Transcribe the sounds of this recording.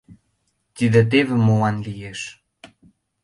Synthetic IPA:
t̪id̪ĕt̪̬evĕmowɑnlijeʃ

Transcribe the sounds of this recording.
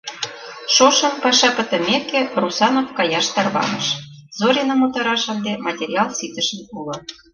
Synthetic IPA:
ʃoʃɤ̆mpɑʃɑpə̆t̪ə̆mekĕrusɑnofkɑjɑʃt̪ɑrβɑ̰nɤ̰̆ʃ | zoɾʲinə̆mot̪ɑɾɑʃɤ̆nd̪emɑtʲeɾʲiɑlˠsit̪ə̆ʃənpulŏ

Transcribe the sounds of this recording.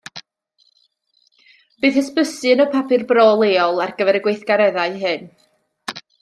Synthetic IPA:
b̥ɨːθəspəsɨnɔpʰapʰɨrbrɔːlˠeːɔlˠarɡəvɛɾəɡwejθɡ̥aɾɛðaɨɦɨn

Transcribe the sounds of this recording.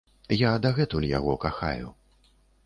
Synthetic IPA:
jad̪aɣɛt̪ulʲja̰ɣɔkaxa̰jṵ

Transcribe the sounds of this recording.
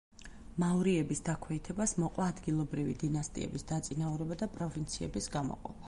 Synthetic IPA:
maɔɾiɛbisd̪akʰwɛit̪ʰɛbasmɔqʼwaːd̪ɡilˠɔbɾivḭd̪inast̪ʼḭɛ̰bisd̪at̪sʼinauɾɛbad̪apʼɾɔvint̪sʰiɛ̰bisɡamɔ̰qʼɔ̰pʰḁ

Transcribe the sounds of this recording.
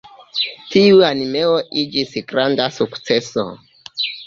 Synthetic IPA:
tiuanime̞o̞ʔid͡ʒisɡɾandasukt͡se̞so̰

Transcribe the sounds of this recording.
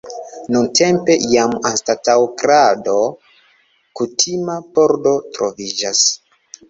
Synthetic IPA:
nunte̞mpe̞jamanstatawkɾado̞ | kutʰimapo̞ɾdo̞tɾo̞vid͡ʒas

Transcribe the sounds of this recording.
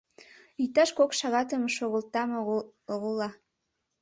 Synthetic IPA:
yt̪ɑʃkokʃɑɣɑt̪əmʃoɣə̆lt̪ɑmoɣolɑ

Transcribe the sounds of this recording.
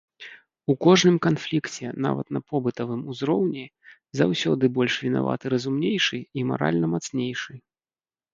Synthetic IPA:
ukɔʐnɨmkanflʲikt͡sʲɛ̰na̰vɐ̰t̪nɐpɔbɨt̪ɐvɨmuzɾɔwnʲɛ | zawsʲɔd̪ɨbɔlʲʂvʲina̰va̰t̪ɨɾɐzumnʲejʂɨima̰ɾa̰lʲnɐmat̪snʲejʂɨj

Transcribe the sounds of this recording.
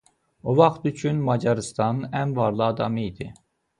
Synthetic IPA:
ovɑχt̪yt͡ʃʰynmɑd͡ʒɑɾɨst̪ɑnænvɑɾlˠɯɑd̪ɑmijd̪i

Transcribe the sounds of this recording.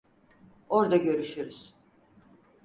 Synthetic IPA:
o̞ɾd̪aɟø̞ɾyʃyɾyz̥

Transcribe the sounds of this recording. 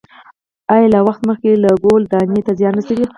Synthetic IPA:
ɑjɑlawaxt̪məxkelaɡold̪ɑnet̪azjɑnasawi

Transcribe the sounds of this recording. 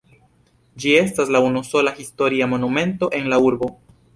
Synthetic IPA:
d͡ʒie̞staslaunuso̞laxisto̞ɾiamo̞numẽ̞nto̞ʔe̞nlauɾbo̞

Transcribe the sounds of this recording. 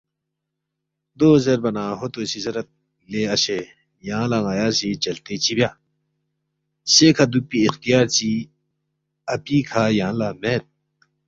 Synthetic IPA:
d̪oːzɐɾbɐnaːɦot̪osizɐɾɐt̪̚ | leːɐɕe | jãːlaŋaːjaːsit͡ɕɐlt̪et͡ɕibjaː | sekʰad̪upiixt̪ijaːɾt͡ɕi | ɐpiːkʰajãːlaːmet̪̚

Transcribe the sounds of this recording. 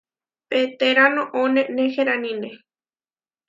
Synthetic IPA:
pet̪eɾanõʔõnẽnexeɾanĩne

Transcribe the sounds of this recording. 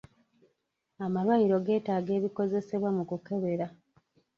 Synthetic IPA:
amalwajiɾo̞ɡe̞ːtaːɡe̞ːβiko̞ze̞se̞βwamukuke̞βe̞ɾa

